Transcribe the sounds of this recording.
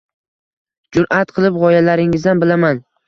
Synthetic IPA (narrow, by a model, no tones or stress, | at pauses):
d͡ʒʊɾʔat̪qʰɨlˠɪpʁɒjalaɾɪŋɪzd̪anbɪlaman